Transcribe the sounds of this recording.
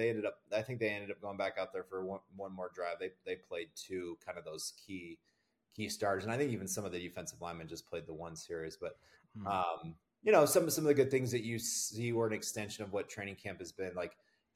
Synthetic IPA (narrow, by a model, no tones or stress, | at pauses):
eɪɛ̃ndɨɾʌp̚aɪθɪ̃ŋk̚ðeɪɛ̃ndɨɾʌp̚ɡoʊɪ̃ŋbækaʊt̪̚ðə˞fə˞wʌ̃nwʌ̃nmɔɹdɹaɪvðeɪðeɪpʰl̥eɪd̚tʰʉkʰãɪ̃ndʌvðoʊz̥kʰi | kʰistɑɹzɨ̃naɪθɪ̃ŋkivn̩sʌ̃mʌvðɨdɨfɛ̃nsʌvlãɪ̃mɨ̃nd͡ʒʌspʰl̥eɪd̪̚ðəwʌ̃nsɪɹizb̥ʌt̚ | ʌ̃m | jɨnoʊsʌ̃mʌsʌ̃mʌvðɨɡʊd̪̚θɪ̃ŋzðɨt͡ʃɨsiwə˞ɨ̃nɨkstɛ̃nʃɨ̃nʌvwʌtʰɹ̥ẽɪ̃nɪ̃ŋkʰæ̃mpɨzbɪ̃nlaɪk